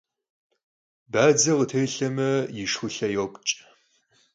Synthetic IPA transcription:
baːd͡zɐʁətʰɐjɬɐmɐjɪʂxʷʊɬɐjoːpʷʼt͡ʃʼ

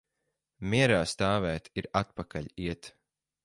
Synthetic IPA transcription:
mʲiɛɾaːst̪aːvæːt̪iɾat̪̚pakaʎʲiɛt̪

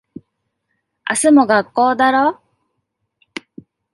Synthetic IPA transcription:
a̰sɨmo̞ɡakːo̞ːd̪aɾo

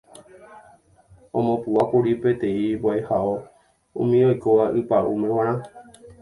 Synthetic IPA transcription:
õmõpuapuɾipe̞t̪ẽ̞ibwajhao | ṵ̃mĩojkoʋaʔɨpaʔṵmẽwãɾ̃ã

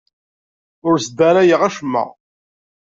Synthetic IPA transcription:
ʊɾsd̪æɾæjəʁæʃəmːə̰ʁ

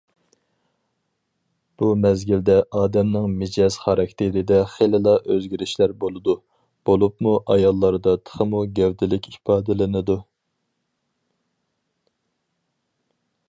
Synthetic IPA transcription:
b̥umɛzɡʲild̪ɛʔɑːd̪ɛmnɪŋmɪd͡ʒɛz̥χɑɾɑk̚ʲt̪ʰeɾɪd̪ɛχelɨlˠɑʔøzɡʲiɾɪʃlæɾbolˠɨd̪u | b̥olˠupmuʔɑjɑlˠːɑɾɨd̪ɑt̪ʰə̥χʰəmuɡʲɛwd̪ɪlɪkʲipʰɑːd̪ɪlɪnɨd̪u

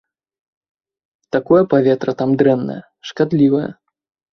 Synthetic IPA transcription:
t̪akɔjɐpavʲɛt̪ɾɐt̪amd̪ɾɛnːɐ̰jɐ̰ | ʂkad̪lʲivɐjɐ̰

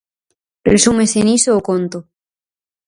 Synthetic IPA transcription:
resumesenisoːkont̪o

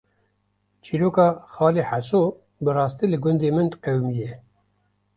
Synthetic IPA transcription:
t͡ʃʰiɾoːkɑːxɑːliːħasoː | bɨrɑːst̪iːlɨɡʊnd̪eːmɨnd̪qɛwmijɛ

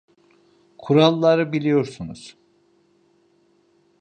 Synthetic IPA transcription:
kʰuɾalˠːaɾɯbilʲijo̞ɾsunuz̥

